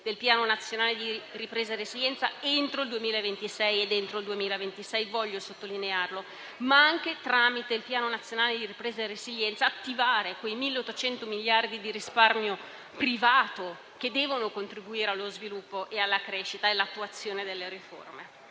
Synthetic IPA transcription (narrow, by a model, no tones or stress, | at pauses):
d̪̥elpjaːnonat̪sːjonaːled̪iripɾeːzareziljɛnt̪saent̪ɾoild̪uemiːlaevent̪isɛjed̪ent̪ɾoild̪uemiːlaevent̪isɛjvɔʎːosot̪ːolinearlo | maaŋk̟et̪ɾamit̪eilpjaːnonat̪sːjonaːled̪iripɾeːzarːeziljɛnt̪saːt̪ːivaːɾekwejmilːeot̪ːot͡ʃɛnt̪omiljard̪id̪iɾisparmjo | pɾivaːt̪o | k̟ed̪ːɛːvonokont̪ɾibuiːɾealːozvilupːoʔealːakɾeːʃit̪aelːat̪ːuat̪sːjoːned̪elːeɾifo̰rme